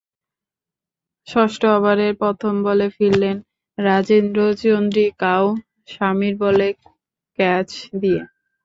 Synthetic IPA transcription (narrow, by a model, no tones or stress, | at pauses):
ʃɔʃʈoaβaɾeɾpɔt̪ʰombolefilːen | ɾad͡ʑinɾod͡ʑt͡ɕond̪ɾikaw | ʃamiɾbole | kɛt͡ɕd̪ie